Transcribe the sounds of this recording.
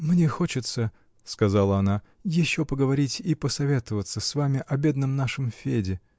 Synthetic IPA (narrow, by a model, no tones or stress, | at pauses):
mnʲexo̞t͡ɕɪt̪sə | skɐzalˠəɐna | jɪɕːopəɡəvɐɾʲitʲipəsɐvʲe̞t̪əvət̪səsvamʲɪʔɐbʲe̞d̪nəmnaʂɨmfʲedʲɪ